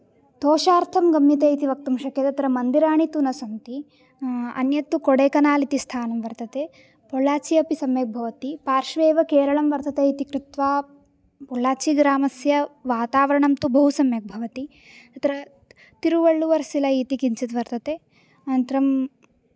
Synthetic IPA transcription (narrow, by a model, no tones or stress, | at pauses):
t̪oːʃaːɾt̪ʰɐmɡɐmjɐt̪̬eːit̪iʋɐk̚t̪ɐmʃɐkjɐt̪ɐt̪ɾɐmɐnd̪iɾaːɳit̪unɐsɐmt̪i | ɐ̰njɐt̪ːukoɽeːkɐnaːlit̪ist̪ʰaːnɐmʋɐɾt̪ɐt̪e | pɔɭaːt͡ʃiɐpisɐmjɐk̚bʱɐʋɐt̪ipaːɾʂʋeːʋɐkeːɾɐɭɐmʋɐɾt̪ɐt̪eit̪ikɾut̪ʋaː | pɔlaːt͡ʃiɡɾaːmɐsjɐʋaːt̪aːʋɐɾɐɳɐmt̪ubɐɦusɐmjɐk̚bʱɐʋɐt̪i | ɐt̪ɾɐ | t̪iɾuʋɐɭːuʋɐɾsilɐit̪ikiɲt͡ʃɐt̪ʋɐɾt̪ɐt̪e | ɐnɐnt̪ɐɾɐm